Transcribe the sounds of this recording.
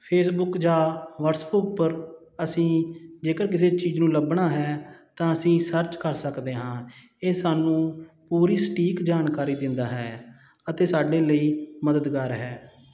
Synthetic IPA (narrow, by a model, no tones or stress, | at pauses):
pʰeːsbʊkd͡ʒaːʋəɾsbʊk̚pəɾ | əsĩːd͡ʒeːkəɾkɪs̬eːt͡ʃiːd͡ʒnũːləbɳaːɦɛːt̪ãːəsĩːsəɾt͡ʃkəɾsəkd̪eːɦãː | eːsaːnũːpuːɾiːsʈiːkd͡ʒaːnkaːɾiːd̪ɪnd̪aːɦɛː | ət̪eːsaːɖeːləiːməd̪əd̪ɡaːɾɦɛː